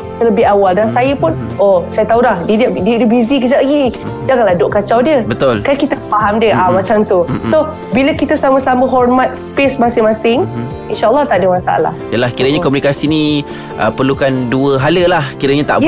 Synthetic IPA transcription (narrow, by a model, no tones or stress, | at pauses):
t̪ələbɪɦawaldansajəpʊn | ʔosajət̪aulahdiddiədəbizikəd͡ʒalaɡid͡ʒaŋanlahdoʔkat͡ʃawdiəbət̪ʊlkakit̪əfaɦamdiəʔamat͡ʃamt̪uso | biləkit̪əsaməsaməɦɔrmat̪̚spesmasɪŋmasɪŋ | inʃaʔlːɑt̪aʔdəmasa̰ʔa̰la̰hjəlahkiɾəɲakɔmunikasini | ʔəpərlukanduəɦaləlahkiɾəɲat̪a̰ʔ